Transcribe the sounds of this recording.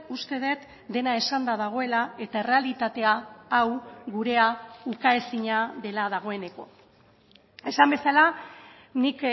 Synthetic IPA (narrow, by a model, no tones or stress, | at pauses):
ust̪e̞ð̞e̞t̪ | d̪e̞nae̞sand̪aðaɣ̞o̞e̞lae̞t̪ae̞re̞alit̪at̪e̞aːwɣuɾe̞aukaesiɲaðe̞laðaɣ̞o̞e̞ne̞ko̞ | e̞sambe̞sala | nik